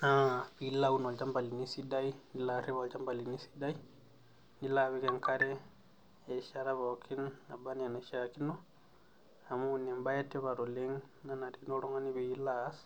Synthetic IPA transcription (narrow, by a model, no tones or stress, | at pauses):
apilawunolt͡ʃambalinisidajnilaɾiβalt͡ʃambalinisi̥daj | nilaβikɛŋkaɾɛː | ʃaɾaβakʰinabanianaʃakinɔ | amuunembajatːɛβaɾoleŋnanaɾinoɾɔŋaniβiilas